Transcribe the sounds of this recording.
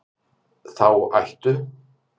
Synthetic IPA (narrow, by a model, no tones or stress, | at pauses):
θawa̰jht̪ʏ